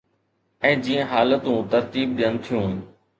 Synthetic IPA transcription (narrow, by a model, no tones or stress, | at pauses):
ɛ̃ːd͡ʑiːə̃ɦaːlət̪ũːt̪ɐɾt̪iːb̚ɗijənt̪ʰijũːɦn